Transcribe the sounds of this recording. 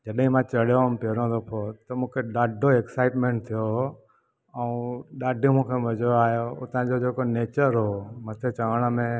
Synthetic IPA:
d͡ʑəɗɦĩmãːt͡ɕɐɽ̤ijompeɾõːd̪opʰot̪əmũːkʰeɗaːɖʱoeksaːɪʈmẽːɳʈ̚t̪ʰijo | əũɗaːɖʱjũmũːkʰemɐd͡ʑoaːɦjoot̪ãd͡ʑod͡ʑeːkoneːt͡ɕəɾɦoːmɐt̪ʰet͡ɕəʋəɽ̃əmẽ

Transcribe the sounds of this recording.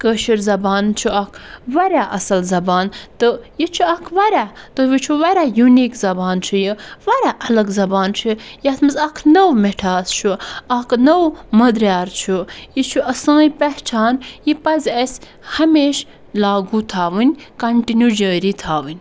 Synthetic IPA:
kəːʃiɾzɐbaːnt͡ʃʰuɐkʰʋɐɾʲaːʔɐsɐlzɐbaːnt̪ɨjit͡ʃʰuɐkʰʋɐɾʲaːt̪ɨʋit͡ʃʰuʋɐɾʲaːjuniːkzɐbaːnt͡ʃʰujiʋɐɾʲaʔɐlɐɡzɐbaːnt͡ʃʰujat̪ʰmɐzɐkʰnɐwmeʈʰaːst͡ʃʰuɐkʰnɐwmɐd̪ɾjaːɾt͡ʃʰujit͡ʃʰuʔɐsãːjpɐht͡ʃʰaːnjipɐzʲɐsʲ | hɐmeːʃ | laːɡut̪ʰaːʋɨnʲkɐɳʈinjuːd͡ʒəːɾiːt̪ʰaːʋɨnʲ

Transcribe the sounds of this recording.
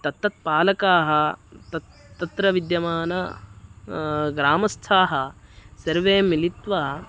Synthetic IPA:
t̪ɐt̪ːɐt̪̚paːlɐkaːɦɐt̪ɐ | t̪ːɐt̪ɾɐʋid̪jɐmaːnɐ | ɡɾaːmɐst̪ʰaːɦɐsɐɾʋeːmilit̪ʋaː

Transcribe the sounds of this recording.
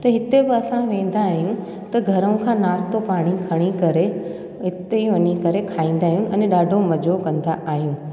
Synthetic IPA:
t̪ɐɦɪt̪ebɪɐsãʋẽːn̆d̪aːɦijũ | t̪ɐɡʱɐɾəʊ̃kʰãːnaːst̪opaːɽ̃ikʰɐɽ̃ikɐɾe | ɦɪt̪eiʋɐɲikɐɾekʰaːĩːn̆d̪aːɦijũʔɛ̃ːnɗaːɖʱomɐd͡ʑokɐ̃nd̪aʔaːɦijũː

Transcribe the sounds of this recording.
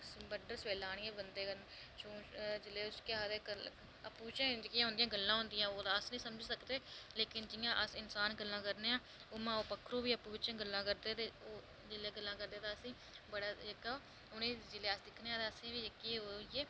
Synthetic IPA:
bəɖəɾsʋeːlaːɽ̃ieːbənd̪eːən | t͡ʃõːd͡ʒɪleːʊskɪaːd̪ekə | əpuːt͡ʃẽːd͡ʒkɪãːɦʊ̃nd̪ɪjãːɡəlːãːɦʊ̃nd̪ɪjãːoːd̪aːəsnəĩːsəməd͡ʒsəkd̪eːleːkɪnd͡ʒɪjãːʔəsɪnsaːnɡəlːãːkəɾneːãː | oːmãːoːpəkʰːɾũːbiːəpuːɪt͡ʃãːɡəlːãːkəɾd̪eːt̪eːoː | d͡ʒɪleːɡəlːãːkəɾd̪eːt̪aːəsĩː | bəɽaːɪkaːoː | ʊnẽːd͡ʒɪleːasd̪ɪkʰneːãːt̪aːəsĩːʋiːkiːoeː

